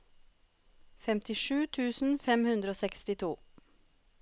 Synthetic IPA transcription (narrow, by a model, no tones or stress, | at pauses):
fɛmt̪ʰɪʃʉːt̪ʰʉːsn̩fɛmhʉnd̪ɾəoːsɛkst̪ɪt̪ʰuː